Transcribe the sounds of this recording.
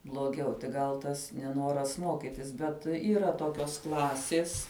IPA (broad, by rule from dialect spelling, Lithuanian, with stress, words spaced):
blˠoːˈɡʲɛʊ tʲɪk ˈɡɐlˠ ˈtɐs nʲɛˈnoːrɐs ˈmoːkʲɪtʲɪs ˈbʲɛt iːˈrɐ ˈtoːkʲoːs ˈklˠɑːsʲeːs